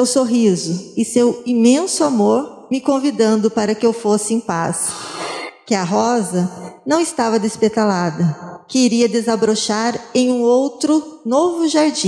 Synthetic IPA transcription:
ewsoɦizʊɪsewimẽsʊamoɾ | mɪkõvid̪ɐ̃nd̪ʊpaɾɐkɪewfosɪẽj̃pa̰s | kɪɐɦɔzɐnɐ̃w̃ɪst̪avɐd̪espet̪alad̪ɐkɪiɾiɐd̪ezabɾoʃaɾẽj̃ũowt̪ɾʊnovʊʒaɾd͡ʒĩ

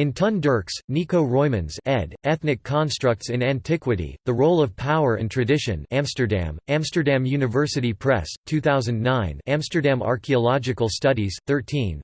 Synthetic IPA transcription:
ɨ̃ntʰʌ̃ndə˞ksnikoʊɹɔɪmɨ̃nzɛdɛθnɨkʰɑ̃nstɹ̥ʌk̚tsɨ̃næ̃ntʰɪkwɨɾḭðəɹoʊlˠʌv̥pʰaʊə˞ɨ̰̃ntʰɹ̥ɨdɪʃɨ̰̃næ̃mstə˞dæ̰̃mæ̃mstə˞dæ̃mjʉnɨvɜ˞sɨɾipʰɹ̥ɛ̰stʰʉθaʊzɨ̃ndnãɪ̃næ̃mstə˞dæ̃mɑ̰ɹkʰiəlɑd͡ʒɨkl̩ˠstʌɾiz̥θɜ˞tʰĩn

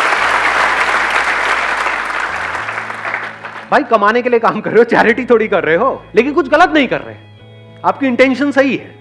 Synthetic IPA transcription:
bʱaːikɐmaːnek̬eliekaːmkɐɾːeɦot͡ʃɛːɾɪʈit̪ʰoːɽikɐɾːɐɦeɦoːleːkɪnkʊt͡ʃʰɣɐlət̪nɐɦĩkɐ̰ɾːə̰ɦe | aːp̚kiɪ̃ɳʈɛ̃ːnʃənsɐɦiɦɛ̰ː

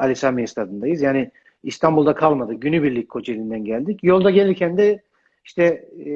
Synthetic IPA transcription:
alʲisamiist̪ʰad̪ɯnd̪ajɯzjaːnɪ | ist̪ʰambulˠd̪akʰalˠmad̪ɯɟynybiɾlʲickʰo̞d͡ʒelʲind̪ænɟælʲd̪icjo̞lˠd̪aɟe̞lʲiɾcʰænd̪ɛ | iʃt̪ʰɛ

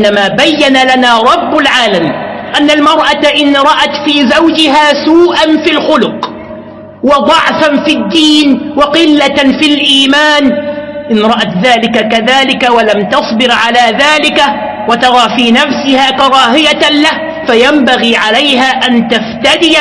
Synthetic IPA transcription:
nːamaːbajːanalanaːɾˤɑbːalʕaːlamʔanːalmɑɾˤʔat̪aʔɪnɾˤɑʔat̪fiːzawd͡ʒɪɦaːsuːʔanfilxʊlʊq | wɑd̪ˤɑʕfanfid̪ːiːnwɑqɪlːafilʔiːmaːnʔɪnɾˤɑʔat̪ðaːlɪkakaðaːlɪkawalamt̪ɑsˤbɪɾʕalaːðaːlɪka | wat̪ɑɾˤɑːfiːnafsɪhaːkɑɾˤɑːhɪjalah | fajambaɣiːʕalajhaːʔant̪aft̪ad̪ɪ

